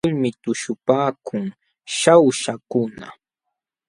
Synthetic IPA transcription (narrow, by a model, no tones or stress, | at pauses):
ʊlmɪt̪ʊʃʊpaːkʰʊŋ | ʃawʃakʊna̰